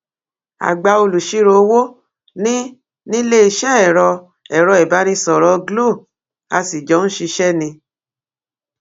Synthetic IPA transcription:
a̰˨ɡ͡ba˧o˧lu˨ʃi˧˦ɾo˧˦wo˦ | nĩ˦ | nĩ˦le˦i˧ʃɛ˦ɛ˨ɾɔ˧ | ɛ˨ɾɔ˧ɛ˨ba˨˦ɾ̃ĩ˧sɔ˨ɾɔ˨˦ɡlo˦˨ | a˧si˨d͡ʒɔ˨˦ñ̩˦ʃi˧ʃɛ˦nĩ˧

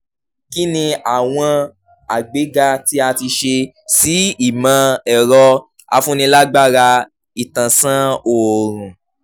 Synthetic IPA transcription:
ki˦nĩ˧a˦˨w̃ɔ̃˧ | a˨ɡ͡be˨˦ɡa˧ti˦a˧ti˧ʃe˧ | si˨˦i˦˨mã˨˧ɛ˨ɾɔ˧ | a̰˧fũ˦nĩ˧la˦ɡ͡ba˦˨ɾa˧ | i˨tã˨sã˦o˨ɾ̃ũ˨

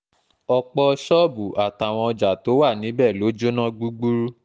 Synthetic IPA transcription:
ɔ˧k͡pɔ˧ʃɔ˦bu˨ʔa˨ta˨w̃ɔ̃˧ɔ˧d͡ʒa˨to˨˦wa˦˨nĩ˨˦bɛ˦˨lo˨˦d͡ʒo˦nã˦ɡ͡bu˦ɡ͡bu˦ɾu˦

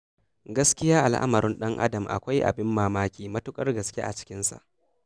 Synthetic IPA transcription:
ɡɐ˦skʲɪ˦jaː˦ʔa˨lʔa̰˦mɐ˨ɾɪ˦nɗɐ˦ŋʔa̰˦dɐ˨mʔa̰˨kʷa˦jʔa̰˨bɪ˦mːaː˦maː˦kʲiː˨mɐ˦tʊ˦kʼɐ˦rɡɐ˨skʲḛ˦ʔa̰˨t͡ʃɪ̥˦kʲɪ˦nsa̰˨ʔ

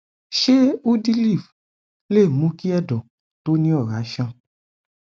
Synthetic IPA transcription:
ʃe˦o˦di˦li˦˨f | le˦˨mũ˨˦ki˦ɛ˦˨dɔ̃˨ | to˨˦nĩ˦ɔ˦˨ɾa˨˦ʃã˦˨

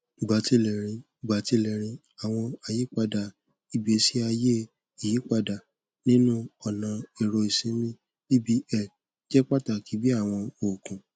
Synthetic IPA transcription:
i˨ɡ͡ba˨˦ti˧˦lɛ˨ɾ̃ĩ˧˨ɡ͡ba˨˦ti˧˦lɛ˨ɾ̃ĩ˧ | a˨w̃ɔ̃˧a˨je˨˦k͡pa˧da˨ | i˨bi˨˦e˨˧˦si˦a˧je˦ | i˨ji˨˦k͡pa˧da˨ | nĩ˦nũ˦ɔ˨nã˨˧e˨ɾɔ˧i˨sĩ˨˦mĩ˦ | i˦bi˦ɛ˦˨ | d͡ʒɛ˦k͡pa˦ta˨ki˨˦bi˦a˦˨w̃ɔ̃˧o˨kũ˨

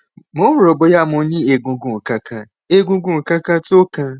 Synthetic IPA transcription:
mʊ̃˦wɾo˨bʊ˨ja˦˨mʊ˨˦ɲĩ˦e˨ɡũ˨ɡũ˨ka˦kʰa˦ | e˦ɡũ˦ɡũ˨ka˦ka˦to˦kã˦

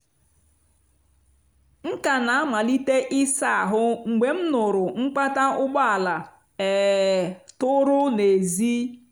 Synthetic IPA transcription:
ŋ̩˦ka˨na˨a˦ma˨li˦te˦ʔi˦sa˦˨a˨ɦʊ˦ŋ͡m̩˨ɡ͡be˨m̩˦nʊ˨ɾʊ˨ŋ͡m̩˦k͡pa˦ta˦ʔʊ˦ɡ͡ba˦a˨la˨ | e˨ | tʊ˦ɾʊ˦ne˨zi˦

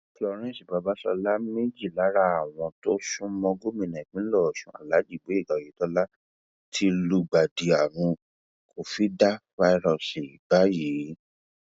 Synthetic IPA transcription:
klɔ˧ɾ̃ɛ̃˦˨si˨ba˨˧˦ba˦sɔ˧la˦me˦d͡ʒi˦˨la˨˦ɾa˦a˦˨w̃ɔ̃˧to˦sũ˦mɔ̃˧ɡo˦mĩ˧˨nɛ̃˨k͡pĩ˨˦lɔ˦˨ʃũ˨˦a̰˦˨la˨˦d͡ʒi˦˨ɡ͡be˨˦i˦˨ɡa˨ji˨˦tɔ˦la˦ | tʰi˦lu˧ɡ͡ba˨di˨a˨ɾũ˧ | kʰo˨fi˨˦da˦fa˧i˦˧ɾɔ˧˨si˨ba˨˦jiː˨˦

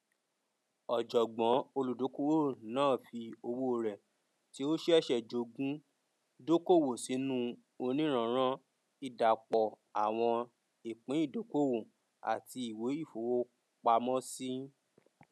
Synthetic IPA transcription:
ɔ˨d͡ʒɔ˨ɡ͡bɔ̃˨˦o˧lu˨do˨˦ko˦wo˦nãː˦˨fi˧o˧wo˦˨ɾɛ˨ | ti˦o˦ʃɛ˦ɛ˦ʃɛ˨d͡ʒo˧ɡũ˦ | do˦ko˦˨wo˨si˨˦nũ˦ | o˧nĩ˦ɾ̃ã˨˦ɾ̃ã˦ | i˧˨da˨k͡pɔ˨ | a˨w̃ɔ̃˧ | i˨k͡pĩ˨˦i˦˨do˨˦ko˦wo˨ | a̰˨ti˧i˨we˨˦i˦˨fo˨˦wo˦ | k͡pa˧mɔ̃˦si˦

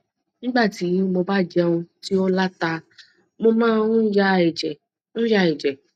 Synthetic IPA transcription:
nĩ˦ɡ͡ba˦˨ti˨˦mo˧ba˦˨d͡ʒɛ˧ũ˧ti˦o˦la˦ta˧ | mo˧mãː˦˧n̩˦ja˦ɛ˨d͡ʒɛ˨ | ñ̩˦ja˧˦˨ɛ˨d͡ʒɛ˨

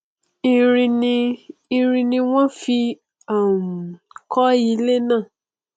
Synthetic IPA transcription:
i˧ɾĩ˧nĩ˧i˧ɾĩ˧nĩ˧w̃ɔ̃˦fi˧ | a˦˨m˨ | kʰɔ˦i˨˦le˦nãː˦˨

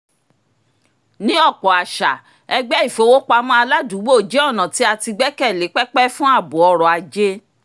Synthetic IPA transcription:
nĩ˦ɔ˦˨k͡pɔ˨a˨ʃa̰˨ | ɛ˧ɡ͡bɛ˦i˦˨fo˧˦wo˦k͡pa˧mɔ̃˧a˧la˦du˨˦wo˦˨d͡ʒe˦ɔ˦˨nã˨ti˨˦a˧ti˧ɡ͡bɛ˦kɛ˦˨le˨˦k͡pɛ˦k͡pɛ˦fũ˦a˦˨bu˨ɔ˧ɾɔ˨a˨d͡ʒe˦

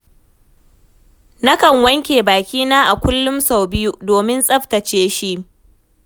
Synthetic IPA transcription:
nɐ˦kɐ˨ŋwɐ˦ŋkʲeː˨baː˨kʲiː˦naː˦ʔa˨kʷʊ˦lːʊ˦msa˨wbɪ˦ju˦doː˨mɪ˦nsʼɐ˦ɸtɐ˨t͡ʃeː˦ʃi˦ʔ

